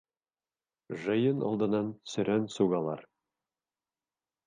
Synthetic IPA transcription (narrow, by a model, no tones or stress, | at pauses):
ʒɤ̆jɤnɒ̰lˠd̪ɤ̆nːɑnsɵ̆ɾænsuɡɑlˠɑ̰ɾ